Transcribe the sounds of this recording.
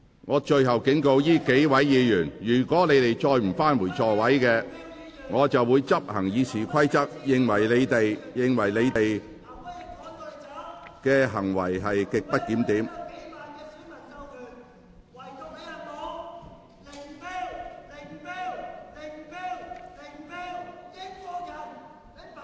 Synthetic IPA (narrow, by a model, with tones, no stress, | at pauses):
ŋɔː˨˧t͡ʃɵ˧ɥɦɐ˨wkɪ˨˥ŋko˧wjiː˥ke˨˥jwɐ˨˥jːiː˨˧jyː˨˩njyː˨˩kʷɔː˨˥ne˨˧jt̪e˨jt͡ʃɔː˧jm̩˨˩faː˥nmuː˨˩jt͡sʰɔː˨˧wɐ˨˥jkɛː˧ | ŋɔː˨˧t͡sɐ˨wːuː˨˧jt͡sɐ˥p̚hɐ˨˩ŋjiː˨˧t͡sʰiː˨˩kʷʰɐ˥jt͡sɐ˥k̚jɪ˨ŋwɐ˨˩jle˨˧t̪e˨jjɪ˨ŋwɐ˨˩jle˨˧jt̪e˨j | kɛː˧ɦɐ˨˩ŋwɐ˨˩jɦɐ˨jkɪ˨k̚pɐ˥t̚kiː˨˥mt̪iː˨˥m